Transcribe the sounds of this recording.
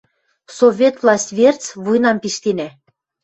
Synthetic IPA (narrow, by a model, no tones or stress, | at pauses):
sovʲet̪vlɑsʲt̪ʲβert͡sβujnɑmpiʃt̪enæ